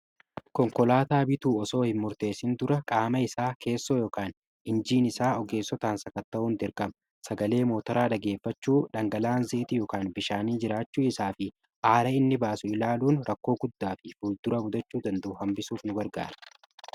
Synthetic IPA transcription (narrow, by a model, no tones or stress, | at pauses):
kɔŋkɔlaːt̪aːbɪt̪uːɔso̞ːhɪnmʊɾt̪e̞ːsɪnd̪ʊɾɐkʼaːmɐɪsaːkʰe̞ːsːoːjoːkaːn | ɪnd͡ʒiːnɪsaːɔɡe̞ːsːɔt̪aːnsɐkɐt̪ːɐʔʊnd̪ɪɾkɐmɐ | sɐɡɐle̞ːmo̞ːt̪ɐɾaːᶑ̪ɐɡe̞ːfːɐt͡ʃːuːᶑɐŋɡɐlaːnzɪʔɪt̪ɪjoːkaːnbɪʃaːniːd͡ʒɪɾaːt͡ʃːuːɪsaːfɪ | ʔaːɾɐɪnːɪbaːsʊɪlaːluːnɾɐkːo̞ːɡʊd̪ːaːfɪfuːld̪ʊɾɐbʊd̪ɐt͡ʃːuːd̪ɐnd̪ɐʊhɐmbɪsuːfnʊɡɐɾɡa̰ːɾɐ̥